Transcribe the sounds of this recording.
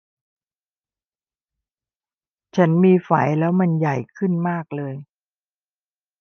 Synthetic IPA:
t͡ɕʰa˦˥nmiː˧fa˩˦jlɛː˦˥wma˧nja˨˩jkʰɯ˥˩nmaː˥˩k̚lɤː˧j

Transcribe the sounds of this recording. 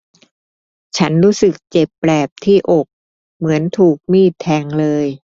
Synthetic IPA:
t͡ɕʰa˦˥nɾuː˦˥sɯ˨˩k̚t͡ɕe˨˩pːɾɛː˨˩p̚t̪ʰiː˥˩ʔo˨˩k̚ | mɯ˩˦ənt̪ʰuː˨˩k̚miː˧˥˩t̪ʰɛː˧ŋlɤː˧j

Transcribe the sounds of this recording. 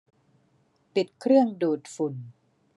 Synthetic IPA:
pi˨˩t̪̚kʰɾɯ˥˩əŋduː˨˩t̪̚fu˨˩n

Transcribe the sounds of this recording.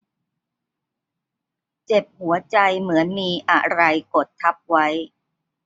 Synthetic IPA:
t͡ɕe˨˩p̚hu˩˦ɐt͡ɕa˧jmɯ˩˦ənmiː˧ʔa̰˨˩ɾa˧jko˨˩t̪ʰːa˦˥p̚wa˦˥j

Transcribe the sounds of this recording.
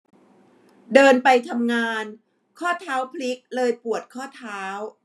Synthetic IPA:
dɤː˧npa˧jt̪ʰa˧mŋaː˧n | kʰɔː˥˩t̪ʰaː˦˥wpʰli˦˥k̚lɤː˧jpu˨˩ət̪̚kʰɔː˥˩t̪ʰaː˦˥w

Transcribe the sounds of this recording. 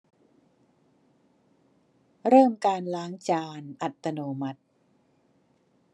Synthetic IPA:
ɾɤː˥˩mkaː˧nlaː˦˥ŋt͡ɕaː˧nʔa˨˩t̪ːa˧noː˧ma˦˩t̪̚

